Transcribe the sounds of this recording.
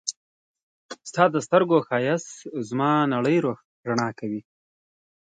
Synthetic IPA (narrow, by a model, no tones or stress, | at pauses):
st̪ɑːd̪əst̪əɾɡoxɑːjaszmɑːnaɽəjɾox | ɾaɳɑːkawi